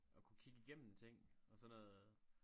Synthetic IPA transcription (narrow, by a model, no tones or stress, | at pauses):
ʔɒ̽kʰukʰiɡ̥əiɡ̥em̰m̩et͡sʰeŋ̰ɒ̽sɒnɔːð̩ˠ